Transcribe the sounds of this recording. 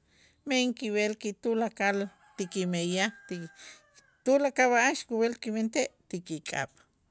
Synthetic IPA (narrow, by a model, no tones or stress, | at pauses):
meŋkiwelkit̪ulakal | t̪ikimejat̪i | t̪ulakaβaʔaʃkuwelkiment̪eʔt̪ikikʼa̰ɓ̥